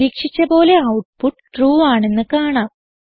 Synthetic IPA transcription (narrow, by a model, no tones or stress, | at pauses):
iːkʂit͡ɕːɐpo̞ːle̞ɐwʈ̚puʈːʈruːaːɳe̞nːɨkaːɳaːm